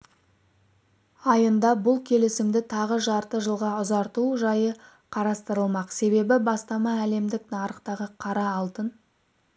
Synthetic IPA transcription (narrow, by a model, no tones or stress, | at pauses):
ɑjənd̪ɑbʊlˠkʲʰe̞lɪsɪmd̪ɪt̪ʰɑʁəʒɑɾt̪əʒəlˠʁɑʊzɑɾt̪uʒɑjə | qʰɑɾɑst̪əɾəlˠmɑqse̞βe̞bɪbɑst̪ɑmɑæle̞md̪ɪknɑɾəqt̪ɑʁəqʰɑɾɑːlˠt̪ən